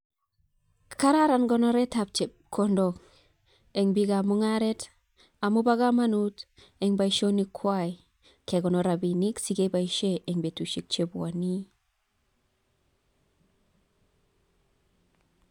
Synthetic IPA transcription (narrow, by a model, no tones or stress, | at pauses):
kaɾaɾanɡonoɾetap̚t͡ʃep̚kʰondok | eŋbiɡamuŋaɾet | amubaɡamanut | eŋbaiʃonikʰwaj | keɡonoɾabiniksiɡebaiʃeʔeŋbetuʃik̚t͡ʃebwa̰ni